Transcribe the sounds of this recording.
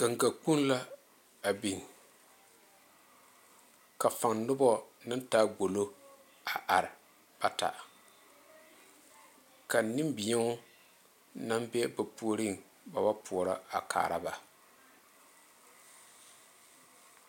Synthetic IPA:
ɡ̥a˨ŋɡa˨k͡pu˦n˦la˦ | a˨bi˨n˨ | ka˨fa˨ŋnʊ˦bɔ˦nɨ˦ntaː˦ɡo˨lo˦ | a˨ʔa˨ɾɪ˨ | b̥a˨ta̰˨ʔ | ka˨nɪ˦mbi˨jɛ˦ŋʊ˦ | na˦mbɛ˦ba˨pu˦ɾi˦˨ŋ | ba˨ba˦pu˨ɔ˨ɾa̰˦a˨kʰa̰ː˨ɾa˦ba˨

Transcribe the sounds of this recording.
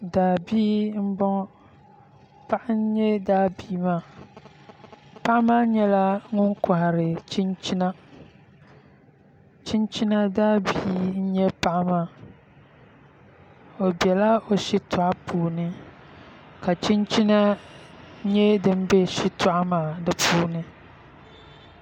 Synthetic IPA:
daː˨biː˦m̩˦bɔ˦ŋ˦ | pa˦ʔɪ˦n˦ɲɛ˦daː˦biː˦maː˦˨ | pa˦ʔmaː˦ɲɛ˦la˦ŋʊ˦ŋka˨ha˨ɾɪ˨t͡ʃi˦nt͡ʃi˦na˦ | t͡ʃi˦nt͡ʃi˦na˦daː˦biː˦n̩˦ɲɛ˦pa˦ʔɪ˦maː˦˨ | o˨bjɛ˨la˦o˨ʃi˦tʰa˨ʔa˦pʰuː˦˨nɪ˦ | ka˨t͡ʃi˦nt͡ʃi˦na˦ | ɲɛ˦dɨ˦m˦be˦ʃi˦tʰʊ˦ʔa˦maː˨dɨ˦pʰuː˦nɨ˦

